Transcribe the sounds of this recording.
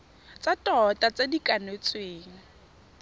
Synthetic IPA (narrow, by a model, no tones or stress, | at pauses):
t͡satʼɔtʼat͡sadikʼanet͡sʼweːŋ̩